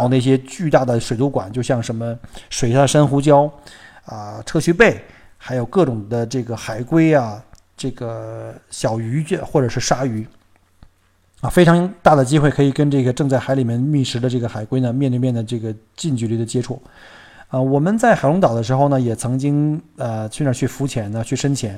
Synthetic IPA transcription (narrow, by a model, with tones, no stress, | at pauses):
ʊna˥˩ɕ̬jɛ˥t͡ɕy˥˧t̪a˥˩d̪ə˩ʂwe˨˩ɪt̪u˧˥kwa̰˨˩nt͡ɕjo˥˧ʊɕjɑ˥˩ŋʂə˧˥nmə˧ʂwe˨˩ɪa˥˩ə˩ʂə˥nxu˧˥t͡ɕjɑ˥ʊ | ə˧ʈ͡ʂʰɤ˥ɕy˥pe˥˩ɪ | xa˧˥ɪjo˨˩ʊkɤ˥˩ʈ͡ʂʊ˨˩ŋd̪ə˦ʈ͡ʂɤ˥˩ɡə˩xa˨˩ɪkwe˥ɪa˧ | ʈ͡ʂɤ˥˩ɡə˩ɕjɑ˨˩ʊy˧˥˧xwɔ˥˩ʈ͡ʂɤ˨˩ʂɻ̩˥˩ʂa˥y˧˥ | a˧fe˥ɪʈ͡ʂʰɑ˧˥ŋt̪a˥˩d̪ə˩t͡ɕi˥xwe˥˩ɪkʰɤ˧˥i˨˩kə˥nʈ͡ʂɤ˥˩ɡə˩ʈ͡ʂɤ˥˧ŋt͡sa˥˩ɪxa˧˥ɪli˨˩mjɛ˥˧nmi˥˩ʂɻ̩˧˥d̪ə˧ʈ͡ʂɤ˥˩ɡə˩xa˨˩ɪkwe˥ɪnə˨mjɛ˥˧nt̪we˥˧mjɛ˥˩nd̪ə˩ʈ͡ʂɤ˥˩ɡə˩ | t͡ɕi˥˧nt͡ɕy˨˧˩li˧˥˩d̪ə˩t͡ɕjɛ˥ʈ͡ʂʰu˥˩ | ə˧wɔ˨˩mə˦nt͡sa˥˩ɪxa˨˩ɪlʊ˧˥ŋt̪ɑ˨˩ʊd̪ə˦ʂɻ̩˧˥xo˧ʊnə˩jɛ˨˩t͡sʰɤ˧˥ŋt͡ɕi˥ŋə˧t͡ɕʰnə˧˥t͡ɕʰy˥˩fu˧˥t͡ɕʰjɛ˨˧˥nɐ˧t͡ɕʰy˥˩ʂə˥nt͡ɕʰjɛ˧˥˦n